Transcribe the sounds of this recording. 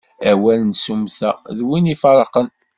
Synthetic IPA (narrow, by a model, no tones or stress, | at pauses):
æwælnsumθæðwinifɑɾˤɑqən